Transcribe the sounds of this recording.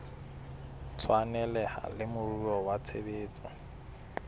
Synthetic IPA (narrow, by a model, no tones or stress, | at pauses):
t͡sʰwanɛlɛha̰lɪmʊrurɔwat͡sʰebeːt͡sʼɔ